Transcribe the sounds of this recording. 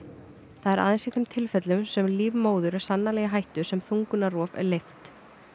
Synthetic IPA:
θaðɛɾa̰ːðensit̪ʰɛmt̪ʰɪlfɛt̪lʏmsɛmliːvmoːwðʏɾɛ̥sanːalɛːɣaɦajht̪ʏ̥sɛmθuŋkʏnarɔːvɛ̰ɾlejft̪

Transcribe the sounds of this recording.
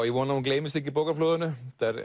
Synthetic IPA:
iʋɔːnaunklejmɪsɪk̬ːipowkaflœːðʏnʏd̪̥ɛɾ

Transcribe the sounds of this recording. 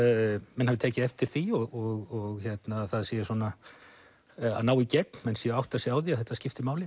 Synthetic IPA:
mɛnhavɪt̪ʰɛːcɪɛft̪ɪɾ̥θiɔɣɔɣɔɣçɛt̪naθaðsjɛːɪsɔːna | a̰ðnaːwicɛt̪nmɛnsjɛawht̪asjɛaːwðiaθɛht̪ːascɪft̪ɪmaːwlɪ

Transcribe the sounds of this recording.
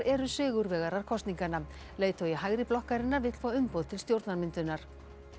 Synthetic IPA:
ɾɛɾʏsʏːɣʏɾvɛːɣaɾaɾ̥kʰɔst̪niŋkanːa | leːjt̪awiɦaɣɾɪplɔhkaɾɪnːavɪt̪l̥foːaʏmpowðt̪ʰɪlst̪jowɾt̪naɾmɪnt̪ʏnaɾ̥

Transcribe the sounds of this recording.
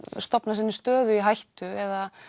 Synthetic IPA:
st̪ɔpnasɪnːɪst̪œːðʏiɦajht̪ʏɛða

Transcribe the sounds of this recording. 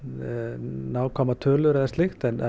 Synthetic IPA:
naːwkʰɔːmat̪ʰœːlʏɾɛðɪst̪ɪxt̪ɛnɛ

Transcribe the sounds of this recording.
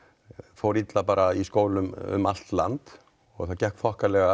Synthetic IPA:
fowɾit̪lapaːɾaiskoːwlʏmʏ̰mal̥t̪lant̪ | ɔɣθaðcɛhkfɔhkalɛɣa

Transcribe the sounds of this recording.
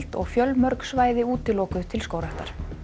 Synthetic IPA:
l̥t̪ɔ̰ɣfjœlmœɾksvaːjðɪuːt̪ɪlɔːkʏðʏt̪ʰɪlskoːwɾaht̪a̰ɾ̥

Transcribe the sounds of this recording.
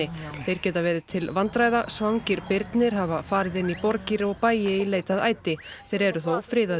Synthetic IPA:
ɪθejɾ̥cɛːt̪avɛːɾɪðt̪ʰɪlvant̪ɾaːjðasvawɲcɪɾpɪɾt̪nɪɾ̥ɦavafaːɾɪðɪnːipɔɾciɾɔɣpaːjɪileːjt̪aðaːjt̪ɪθejɾɛɾʏθowfɾɪːða

